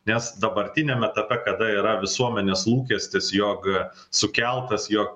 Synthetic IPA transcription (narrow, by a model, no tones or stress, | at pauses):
nʲɛsd̪ɐbɐɾʲt̪ʲɪnʲemʲɛt̪ɐpʲɛkɐd̪ɐiːɾɐʋʲɪsuɔmʲɛnʲeːslˠuːkʲɛsʲt̪ʲɪsjoːk | sʊkʲɛlˠt̪ɐsjoːk̚